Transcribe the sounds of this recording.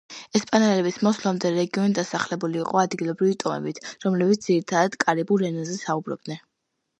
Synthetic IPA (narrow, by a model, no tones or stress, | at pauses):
ɛspʼanɛlɛbismɔslˠamd̪ɛɾɛɡiɔnid̪asaχlɛbuliːqʼɔad̪ɡilˠɔbɾivit̪ʼɔmɛ̰bit̪ʰɾɔmlɛbit̪sd̪z̥iɾit̪ʰad̪ad̪̥kʼaɾibuɛnazɛsaubɾɔ̰b̚d̪nɛn